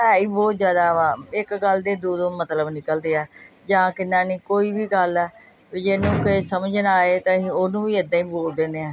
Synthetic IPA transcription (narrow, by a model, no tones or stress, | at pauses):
ɦɛːiːbɔːt̪zjaːd̪aːãːɪkɡəld̪eːd̪oːd̪õːmət̪ləbnɪkəld̪eːɛːd͡ʒãːkɪnaːnĩːkoːiːʋiːɡəlɛː | d͡ʒeːnũːkɪsəməd͡ʒənaːeːt̪ãːɦionũːʋiːɪd̪ãːĩːboːld̪ẽːnd̪eːɛ̃ː